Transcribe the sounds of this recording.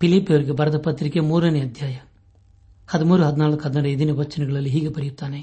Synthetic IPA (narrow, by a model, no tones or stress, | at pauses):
pɪlipːɐʋɐɾkɯpɐɾɐðɐpɐt̪ːɪɾɪkːeːmuːɾɐnɐɐd̪jaːjɐ | hɐðɯmuːɾɯɦɐðɪnaːlɯkːɦɐðɪnɐɖɐɪðɪnɐʋɐt͡ʃːɐnɐɡɐɭɐlɪɦiːɣɐpɐɾɪjt̪ːaːne